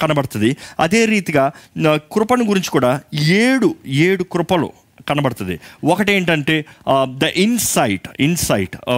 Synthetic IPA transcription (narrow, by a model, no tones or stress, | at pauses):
kɐnɐbɐɽɐt̪und̪iɐ̰d̪e̞ːɾiːt̪iɡaːkɾʊpɐniɡuɾiɲt͡ʃi̥kuːɽaːeːɽueːɽukɾʊpɐlṵ | kɐnɐbɐɽɐt̪und̪ḭwɔkɐʈ̬ie̞ːɳʈɐɳʈe̞ːd̪ɐʔinsɐjʈinsɐjʈ